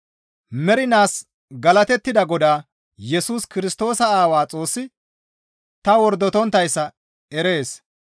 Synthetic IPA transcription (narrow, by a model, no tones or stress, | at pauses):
mɛɾɪnaːs | ɡɐlɐt̪ɛt̪ːɪd̪ɐɡɔd̪aː | jɛsuːskɪɾɪst̪o̞ːsɐaːwaːt͡sʼo̞ːsːɪ | t̪ɐwɔɾd̪ːɔt̪ɔnt̪ːɐjsːɐ | ɛɾe̞ːs